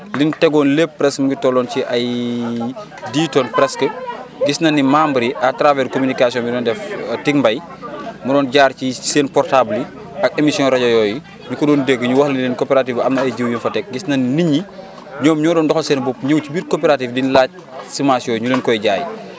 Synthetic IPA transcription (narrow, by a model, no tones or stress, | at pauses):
lintɛɡɔnlepːɾɛsmuɡitɔlɔːnciʔɐj | diːtɔnpɾɛskəɡisnɐnːimaːmbɾiʔatɾavɛɾkomynikasijɔ̃nbidɔːndɛftiŋmbɐj | mudɔːnɟaːrciseːnpɔrtabli | ɐk̚emisijɔ̃nɾɐɟɐjɔːji | ɲukɔdɔːndeɡːəɲuwɐxlilinkɔpɛɾatiːfɐmnɐɐjɟiwjinfɐtɛk̚ɡisnɐnniɲːi | ɲɔːmɲɔdɔːndɔxɔsɛːnbɔpɲɐwcibikopɛɾatifdinlaːc̚ | simasijɔɲulinkɔjɟaːj̰